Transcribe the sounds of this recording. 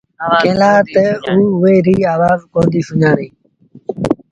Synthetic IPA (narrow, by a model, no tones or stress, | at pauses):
kẽːlaːt̪euːʊʋeːɾiːaːʋaːzkõːnd̪iːsʊɲãːnĩː